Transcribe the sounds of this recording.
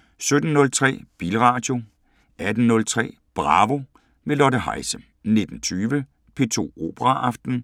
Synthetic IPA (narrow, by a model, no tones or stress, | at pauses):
sød̥n̩ːɔ̽lt͡sʰʁɛ̰ːb̥iːlʁɑ̈ːd̥jo̝ | ʔæd̥n̩nːɔ̽lt͡sʰʁɛ̰ː | b̥ʁɑ̈ːʋo̝ | me̝lɒ̽dəɦɑ̈ɪsə | ne̝d̥n̩t͡sʰyːʋə | pʰe̝ːt͡sʰo̝̰ːo̝̰ːb̥əʁɑ̈ʔɑ̈fd̥n̩